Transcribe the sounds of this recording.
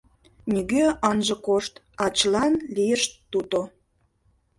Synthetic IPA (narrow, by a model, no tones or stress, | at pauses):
nʲiɣøɑnʒə̆koʃt̪ | ɑt͡ɕəlɑnlijəʃt̪ːut̪o